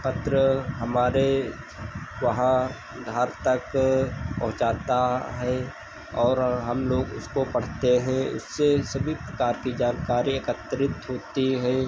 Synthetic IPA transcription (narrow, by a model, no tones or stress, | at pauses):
pɐt̪ɾəɦɐmaːɾe | ʋɐɦã | d̪ʱaːɾt̪ɐkpɐ̰ɦʊ̃t͡ʃaːt̪aɦɛ | ɔːɾɦɐmloːɡʊ̰skopɐɽ̤t̪eɦɛ̃ʊ̰sːesɐbʱipɾɐkaːɾkid͡ʒaːnkaːɾiekət̪ːɾɪt̪ɦoːt̪iɦɛ̃ː